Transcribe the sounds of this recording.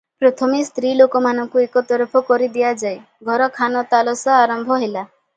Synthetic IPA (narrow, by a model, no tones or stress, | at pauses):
pɾɔt̪ʰɔmist̪ɾilokɔmanɔŋkuekɔt̪ɔɾpʰɔkɔɾid̪ijad͡ʒaj | ɡʱɔɾɔkʰanɔt̪alɔsaaɾɔmbʱɔɦela